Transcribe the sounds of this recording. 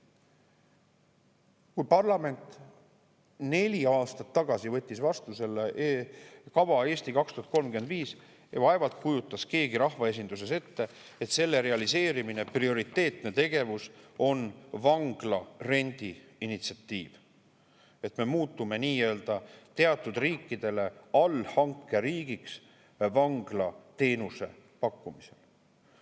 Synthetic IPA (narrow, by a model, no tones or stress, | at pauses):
kujpɑrlɑme̞nt̪ˑ | ne̞lʲiɑːst̪ɑt̪ːɑɡ̥ɑsivɤ̞t̪ʲːisvɑst̪use̞lːeʔ | kɑvɑe̞ːst̪ikɑkst̪uhɑt̪ko̞lmkyed̪viːs | jɑ̰vɑe̞vɑlt̪̚kujut̪ːˑɑske̞ːɡiɾɑhvɑe̞s̬ind̪̥us̬e̞se̞t̪ːe̞ | et̪se̞lːe̞ɾe̞ɑlise̞ːɾimineprio̞ɾit̪ːˑe̞ːt̪ne̞t̪e̞ɡe̞vuso̞nvɑŋɡ̥lɑre̞nʲd̪̥iinit̪siɑt̪ːˑiːv̥ | e̞t̪me̞muːt̪ːˑume̞niːjø̞ːld̪̥ɑt̪e̞ɑt̪ːˑud̪̥riːkːˑid̪̥e̞le̞ɑlhɑŋkːˑe̞ɾiːɡ̥iks | vɑŋɡ̥lɑt̪e̞ːnuse̞̰ | pɑkːumise̞̰l